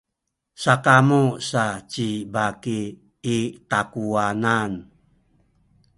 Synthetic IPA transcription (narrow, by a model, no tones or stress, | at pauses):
sakamosat͡ʃibakiː | takuanan